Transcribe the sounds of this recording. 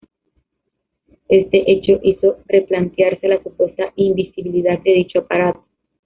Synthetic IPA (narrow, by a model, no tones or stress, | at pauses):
e̞st̪e̞ʔe̞t͡ʃo̞ʔiso̞re̞plant̪jaɾse̞lasupwe̞st̪aimbisiβiliðak̪̚d̪eðit͡ʃoapaɾat̪o̥